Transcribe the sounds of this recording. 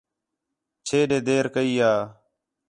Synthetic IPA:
t͡ʃʰeːɗeːd̪eːɾkəiːɦaː

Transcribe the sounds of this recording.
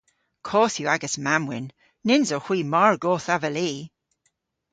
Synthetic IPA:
kʰɔːθjuaɡəsmamwɪ̰nː | ɪnzoxw̥iːmɔɹɡoːθavəliː

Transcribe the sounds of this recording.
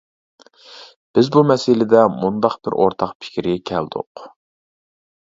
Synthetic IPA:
b̥ɪzbumɛsɪlɪd̪ɛmund̪ɑqb̥ɪ̰ɾʔo̰ɾt̪ʰɑqpʰɪ̥kʲɾɪɡʲɛkʲʰɛld̪̥ʊ̰q

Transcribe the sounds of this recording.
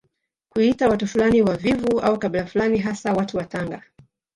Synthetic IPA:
kuitawatufulaniwavivua̰ukaɓilafulaniɦasawatuwataŋɡa

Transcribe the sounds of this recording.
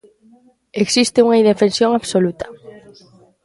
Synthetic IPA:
eksist̪euŋaid̪efensjoŋaβsolut̪ḁ

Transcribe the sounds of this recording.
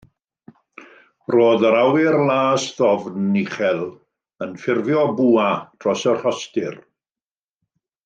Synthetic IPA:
roːðəɾawɪrlˠaːsðɔvnɪχɛlˠ | ənfɪrvjɔbuːatʰrɔsərhɔstɪr

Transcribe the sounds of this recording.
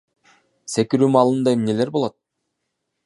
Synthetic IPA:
se̞kiɾyːmɑlˠɯnd̪ɑemne̞le̞ɾbo̞lˠot̪̚

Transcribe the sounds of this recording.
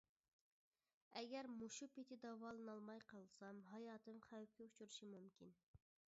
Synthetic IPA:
ɛɡʲɛɾmuʃupet̪ʰɪd̪ɑvɑːlˠɨnɑlˠmɑjqɑlˠsɑmɦɑjɑːt̪ʰɨmχæwkʲɛut͡ʃʰuɾɨʃimumkʲin

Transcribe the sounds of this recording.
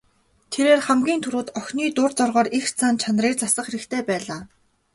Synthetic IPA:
t̪ʰeɾeːrχæmɡʲiːnt̪ʰuɾuːt̪œxʲniːt̪ʊrt͡sɔrʁɔːɾixt͡sʰaːnt͡ɕʰanriːkt͡sasə̆χxeɾɘ̆kt̪ʰeːpæːɮaː

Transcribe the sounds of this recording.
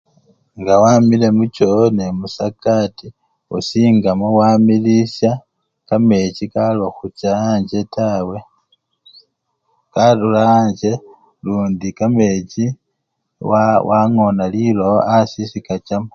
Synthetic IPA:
ŋɡawamile̞mut͡ʃone̞musakati | ṵsiːŋɡamowamilisja | kame̞cikalaxut͡ʃaːɲɟe̞tawe̞ | kalulaːɲɟe̞ | luːndikame̞ci | wawʔaŋo̞naliloasisikat͡ʃamo

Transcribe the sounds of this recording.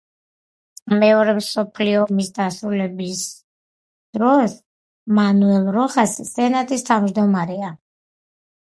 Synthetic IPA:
mɛɔɾɛmsɔpʰliɔːmisd̪asɾulɛbis | d̪̥ɾɔs | manuɛlˠɾɔʁasːɛnat̪ʼist̪ʰavmd͡ʒd̪ɔmaɾɛa

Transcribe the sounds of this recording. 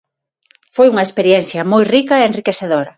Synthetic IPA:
fojuŋɐespeɾjɛn̟θjɐmojrikɐeenrikeθeðoɾɐ

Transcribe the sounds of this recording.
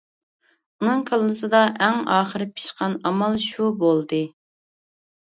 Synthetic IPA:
unɨŋqʰəlˠːɨsɨd̪ɑʔæŋɑːχəɾɪpʰi̥ʃqɑnɑmɑlˠʃubolˠd̪ɨ

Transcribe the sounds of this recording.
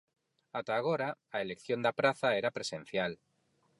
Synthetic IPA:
at̪aːɣ̞oɾaaelekθjo̞nd̪apɾaθaeɾapɾe̞sẽn̟θjal

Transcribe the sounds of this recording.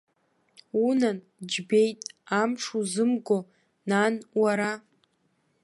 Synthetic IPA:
unan | d͡ʒbejtʼamʂuzɨmɡo | nanwaɾa

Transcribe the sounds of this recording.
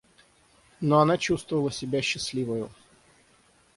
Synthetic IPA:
noɐnat͡ɕust̪vəvəlˠəsʲɪbʲaɕːɪslʲivəjʊ

